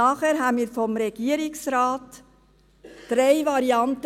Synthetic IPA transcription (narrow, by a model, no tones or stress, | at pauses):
ɑːχɛːɾɦænmiːɾfɔmɾɛɡ̥iəɾɪksɾɑːt | d̥ɾeɪvɑɾiɑnt